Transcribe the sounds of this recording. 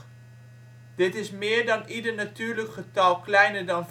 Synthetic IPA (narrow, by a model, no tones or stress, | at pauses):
d̥ɪtɪsmɪːɹdɑnidəɹnatyːɹləkχətɑlˠklɛjnəɹdɑnv